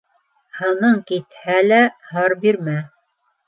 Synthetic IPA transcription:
hɤ̆nɤɴkit̪hælæhɑɾbiɾmæ

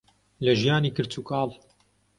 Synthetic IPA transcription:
lɐʒijaːniːkɨɾt͡sʰukɑːlˠ

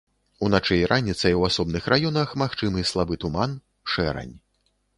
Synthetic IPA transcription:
unat͡ʂɛjɾʔanʲːit̪sɐjwasɔbnɨxrajɔnɐxmaxt͡ʂɨmɨslˠabɨt̪uman | ʂɛɾɐ̰nʲ

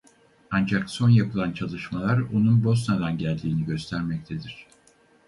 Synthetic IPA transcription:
and͡ʒakso̞njapɯlˠant͡ʃʰalˠɯʃmalˠaɾonunbo̞snad̪anɟælʲd̪iːniɟø̞st̪ʰæɾmɛc̚t̪ʰed̪iɾ̝̥

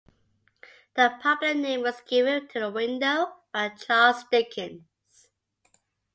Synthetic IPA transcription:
ðəpʰʌpllənẽɪ̃mwʌzɡɪvə̃ntʰəðəwɪ̃ndoʊ | at͡ʃʰɑlˠzdɪkʰɪ̃n | z̥

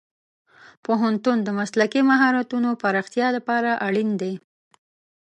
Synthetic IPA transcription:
poɦant̪und̪əmaslakimaɦɑɾat̪unopaɾɑxt̪jɑlapɑɾaʔaɽind̪e

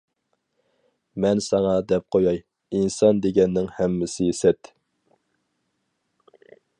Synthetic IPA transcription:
mɛnsɑŋɑd̪ɛp̚qʰojɑj | insɑnd̪eɡʲɛnːɪŋhɛmːɪsɪsɛt̪

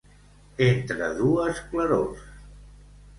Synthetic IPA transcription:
ent̪ɾə̰ðuəskləɾo̰s

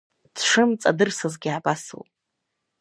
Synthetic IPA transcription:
d̥ʂɨmt͡sʼa̰dɨrsɨzɡʲiʕabasɨ̰wʼ

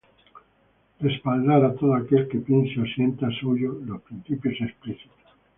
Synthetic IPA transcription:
respald̪aɾat̪oðoakelkepinseosjent̪asuʝolospɾin̟θipjosespliθi̥t̪o̥s

